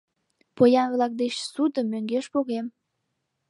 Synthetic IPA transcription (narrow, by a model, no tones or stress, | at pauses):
pojɑnβlɑk̚d̪eɕsud̪əmːøŋɡeʃpoɣem